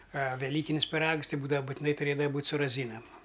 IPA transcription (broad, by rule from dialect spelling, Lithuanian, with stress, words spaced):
ɐ ʋʲɛˈlʲiːkʲɪnʲɪs pʲɪˈrɐks ˈtʲɪ ˈbuːdɐʋɐ bʊtʲɪˈnɐɪ tʊˈrʲeːdɐʋɐ ˈbuːtʲ sʊ rɐˈzʲiːnɐm